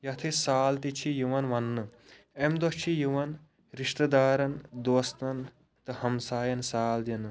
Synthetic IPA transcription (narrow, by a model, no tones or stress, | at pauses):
jɐt̪ʰesaːlt̪it͡ʃʰijuʋɐnʋɐnːɨ | emd̪ot͡ʃʰijuʋɐn | ɾiʂt̪ɐd̪aːɾɐnd̪oːst̪ɐn | t̪ɨhɐmsaːjɐnsaːld̪inɨ